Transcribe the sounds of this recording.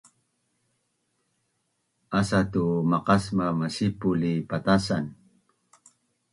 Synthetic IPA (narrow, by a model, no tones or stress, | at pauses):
asatumaqasmamasipulipat̪asan